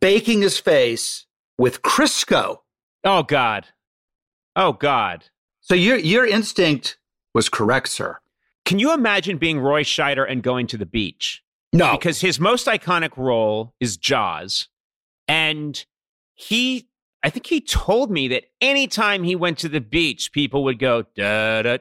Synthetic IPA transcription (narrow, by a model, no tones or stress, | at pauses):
b̥eɪkɪ̃ŋɨz̥feɪs | wɪð̥kʰɹ̥ɪskoʊ | oʊɡɑd̥ | ʔoʊɡɑ̰d̥̚ | soʊjə˞jə˞ɪ̃nstɪ̃ŋk̚t̚ | wʌz̥kʰə˞ɛk̚tsɜ̰˞ | kʰɨ̃njɨəmæd͡ʒɨ̃nbiɪ̃ŋɹɔɪʃaɪɾə˞ʔɨ̃nɡoʊɪ̃ŋtʰɨðɨbḭt͡ʃ | noɨkʰʌz̥ɨzmoʊstaɪkʰɑñɨkɹoʊlˠɨzd͡ʒɑ̰z̥ | ɨ̃n | i | aɪθɪ̃ŋkhitʰoʊlˠd̚miðɨɾɛnitʰãɪ̃miwɛ̃ntʰɨðɨbit͡ʃpʰipl̩ˠwəd̚ɡoʊd̥ʌɾɨ